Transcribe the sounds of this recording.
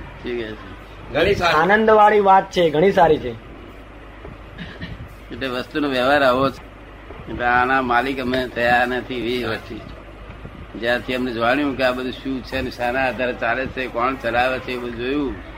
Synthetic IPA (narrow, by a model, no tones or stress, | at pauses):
ʈʰikɛse | ɡʱəɽ̃isaaːnənd̪ʋaɭiʋat̪̚t͡ʃʰeɡʱəɽ̃ĩsaɾit͡ʃʰe | eʈleʋəst̪unõʋeʋaɾaʋot͡ʃʰ | eteanamalikəmet̪ʰəjaɾnət̪ʰiʋiʋəst̪i | d͡ʒjãt̪ʰiəmned͡ʒʋaɽ̃jũkeabəd̪ʱuʃũt͡ʃʰeneʃanaɦəd̪ʱaɾt͡ʃalet͡ʃʰekɔɳt͡ʃəlaʋet͡ʃʰebəd̪ʱud͡ʒojũ